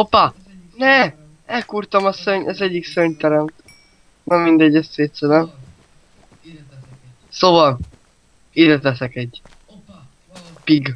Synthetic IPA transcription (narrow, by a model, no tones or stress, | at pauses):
opa | nɛ | ɛlkurt̪ɒmɒsøɲʔɛzɛɟːiksøɲt̪ɛɾɛmt̪ | nɛmːind̪ɛɟːɛst̪seːt̪sɛd̪ɛm | soːvɒl | id̪ɛt̪ɛsɛkɛɟː | piɡ